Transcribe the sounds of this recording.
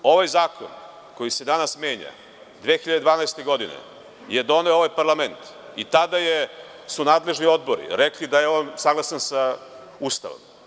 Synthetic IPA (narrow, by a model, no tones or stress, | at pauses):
o̞ʋajzaːko̰n | ko̞jise̞d̪anasme̞ːɲa̰ | d̪ʋeːxiʎad̪d̪ʋaːnajst̪eɡo̞d̪inḛ | jed̪o̞neooʋajpaɾlˠame̞nt̪ | it̪ad̪aje | sunaːd̪le̞ʒnio̞d̪bo̞ɾḭɾeklid̪ajeonsaɡlˠasansa | ust̪a̰ʋo̰m